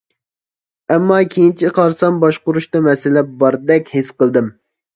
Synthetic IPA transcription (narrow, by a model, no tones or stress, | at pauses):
ɛmːɑkʲʰejint͡ʃʰiqʰɑɾsɑmbɑʃqʊɾuʃt̪ɑmɛsɪlɛp̚bɑɾd̪ɛkʲhesqəlˠd̪ɨm